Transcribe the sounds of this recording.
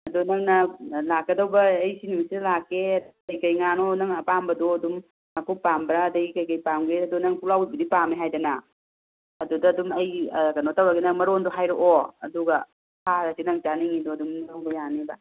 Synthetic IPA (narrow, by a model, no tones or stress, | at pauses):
ɐdunɐŋnɐlak̚ːɐdɐwbɐːjsinimsidɐlakːeɐd | ɐjkɐjŋanonɐŋɐpambɐdoɐdum | mɐkuk̚pambɾɐːdɐɡikɐjkɐjpamɡeɐdunɐŋpulawibɐdipameɦajdɐna | ɐdudɐːdumɐjkɐnotɐwɾɐɡinɐŋmɐɾondoɦajɾoʔoɐ̰duɡɐ | pʰaɾɐsinɐŋt͡ʃaniŋidoɐdumnwbɐjanebɐ